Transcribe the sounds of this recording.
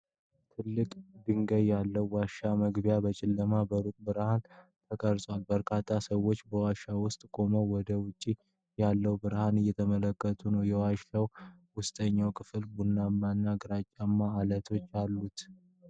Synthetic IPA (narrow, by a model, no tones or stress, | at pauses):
t̪ʰɨlːɨkʼb̪ɨŋɡəjːalːəwːaʃaməɡbjabət͡ʃʼɪlːəmabəɾukʼbɨɾhant̪ʰəkʼəɾsʼwalbəɾkʰat̪ʰːasəwːo̞t͡ʃːbəwaʃawʊst̪ʼkʼo̞məwɔd̪əwʊt͡ʃʼːi | jalːəwbɨɾhanɨjːɛt̪ʰəmələkːət̪ʰunəwjɛwaʃaw | wʊst̪ʼəɲːawkʰɨfɨlbunːamːanːaɡɨɾat͡ʃʼːamːaːlət̪ʰo̞t͡ʃːalːut̪